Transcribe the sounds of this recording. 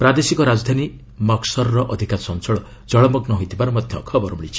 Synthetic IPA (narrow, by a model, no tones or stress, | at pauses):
pɾad̪esikɔɾad͡ʒɔd̪ʱani | mɔksɔɾɔɾɔʔɔd̪ʱikasɔnt͡ʃɔɭɔ | d͡ʒɔɭɔmɔɡnɔɦojt̪ʰibaɾɔmɔd̪ʱjɔkʰɔbɔɾuɽit͡ʃʰi̥